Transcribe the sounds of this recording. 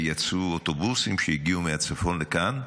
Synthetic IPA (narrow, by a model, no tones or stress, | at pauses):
jat͡suoto̞busimʃejiɡiumeat͡safo̞nlekan